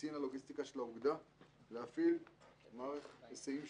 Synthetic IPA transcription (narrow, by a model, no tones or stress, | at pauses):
inaloɡist̪ikaʃelauɡd̪aleafilmaʁeχesejim